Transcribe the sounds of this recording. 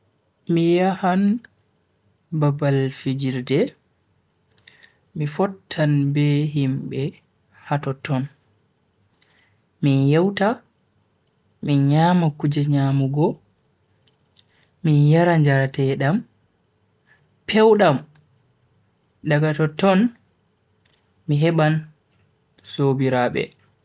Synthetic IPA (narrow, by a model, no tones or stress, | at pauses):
mijahan | babalfid͡ʒiɾdɛ | mifɔtʰːanbɛɦimbɛ | hatɔtɔn | minjɛwta | minɲaːmakud͡ʒɛɲaːmuɡɔ | minjaɾaɲd͡ʒaɾatɛɗam | pʰɛwɗam | ɗaɡatɔtɔn | miɦɛɓan | sobiɾaːɓɛ̰